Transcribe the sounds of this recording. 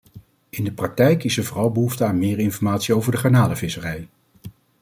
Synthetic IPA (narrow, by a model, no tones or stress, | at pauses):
ɪndəprɑk̚tɛjkɪsəɹvɔːrɑlˠbəɦuftəaːnmɪːɹɪnfɔɹmaːtsiowvəɹdəχaɹnaːləvɪsərɛj